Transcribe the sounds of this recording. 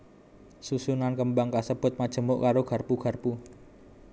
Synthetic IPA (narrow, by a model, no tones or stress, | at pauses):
susunankəmbaŋkasəb̥ʊ̤t̪̚mad̥ʒ̥ə̤mʊʔkaɾoɡ̥a̤rpuɡ̥a̤rpu